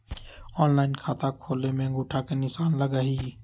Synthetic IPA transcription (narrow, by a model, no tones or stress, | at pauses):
oːnlaːɪnkʰaːt̪aːkʰoːleːmẽːɡʊːʈʰaːkenɪsaːnləɡaːɦiː